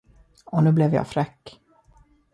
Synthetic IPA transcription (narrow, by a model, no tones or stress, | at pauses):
ɔnʉ̟ːblɛvjɑ̰ːfɾɛkː